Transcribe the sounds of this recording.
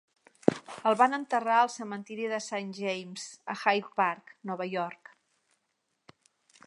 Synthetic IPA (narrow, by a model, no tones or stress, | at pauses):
əlˠβanənt̪əraəlˠsəmənt̪iɾiðəsanʒejmz̥əxajtpaɾknɔβəjɔɾk